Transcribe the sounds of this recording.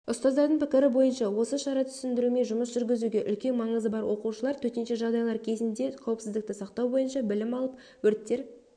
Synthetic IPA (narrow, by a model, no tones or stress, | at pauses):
ʊst̪ɑzd̪ɑɾd̪əɴpʰɪkʲɪɾɪbo̞jənʃɑwo̞səʃɑɾɑt̪ʰʏ̥sɪnd̪ɪɾume̞ʒʊməsʒ̥ʏɾɡʲɪzuɡʲe̞ʔʏlkʲe̞nmɑɴəzəbɑɾwʔo̞quʃəlˠɑɾt̪ʰɵt̪e̞nʃe̞ʒɑʁd̪ɑjlˠɑɾkʲʰe̞zɪnd̪e̞qʰɑwəpsɪzd̪ɪk̚t̪ɪsɑqt̪ɑwbo̞jənʃɑbɪlɪmɑlˠəp̚ | wɵɾt̪ːe̞ɾ